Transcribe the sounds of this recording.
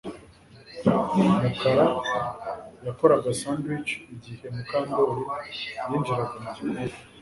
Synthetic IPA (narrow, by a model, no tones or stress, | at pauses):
makaɾa | jako̞ɾaɡasaːndwit͡ʃiɟihe̞mukaːmboɾijiːnd͡ʒiɾaɡamaz